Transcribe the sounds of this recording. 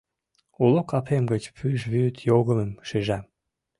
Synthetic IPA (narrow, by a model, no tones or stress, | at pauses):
ulokɑpʰemɡət͡ɕpʰyʃβyt̪ʰjoɣəməmʃiʒɑ